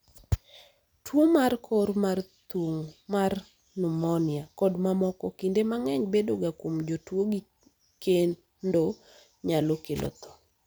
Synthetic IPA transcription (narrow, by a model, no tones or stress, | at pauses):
twomarkʰɔɾmart̪oŋmar | nʊmɔnɪakɔdmamɔkɔkindemaŋɛɲbedoɡakwomd͡ʒotwoɡi | ken | ndo | ɲalokelʔɔ̰t̪ɔ̥